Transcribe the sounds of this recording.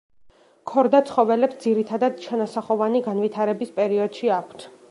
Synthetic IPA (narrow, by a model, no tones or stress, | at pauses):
kʰɔɾd̪at̪sʰχɔvɛlɛpsd̪ziɾit̪ʰad̪ad̪̥t͡ʃʰanasaχɔvaniɡanvit̪ʰaɾɛbispʼɛɾiɔd̪̥ʃiakʷʰt̪ʰ